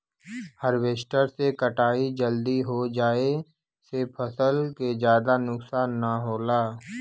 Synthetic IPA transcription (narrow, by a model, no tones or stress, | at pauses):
həɾweːʃʈəɾsekəʈaːid͡ʒəld̪iɦod͡ʒaːe | sepʰəsəlkezjaːd̪anʊksaːnːaɦoːlaː